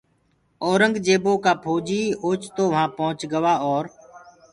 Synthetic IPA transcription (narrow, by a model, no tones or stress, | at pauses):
ɔːɾəŋɡd͡ʒeːboːkaːpʰoːd͡ʒiːoːt͡ʃt̪oːʋɦãːpə̃ɦʊt͡ʃɡəʋaːɔːɾ